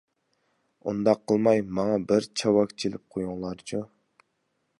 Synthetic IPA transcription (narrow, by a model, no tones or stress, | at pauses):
ṵnd̪ɑqʰːəlˠmɑjmɑŋɑbɪɾt͡ʃʰɑwɑkʲt͡ʃʰilɪp̚qʰojuŋlˠɑɾt͡ʃʰu